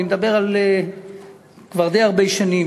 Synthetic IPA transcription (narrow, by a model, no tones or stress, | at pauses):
imed̪abe̞ʁale | kvaʁd̪ejaʁbejʃanim